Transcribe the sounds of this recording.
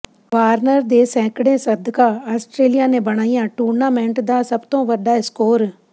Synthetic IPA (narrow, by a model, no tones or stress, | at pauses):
ʋaːɾnəɾd̪eːsɛ̃ːkɽẽːsəd̪ʱkaːaːsʈɾeːlijaːneːbəɽ̃aːijãːʈuːɾnaːmɛ̃ːɳʈd̪aːsəbt̪õːʋəɖaːɪskoːɾ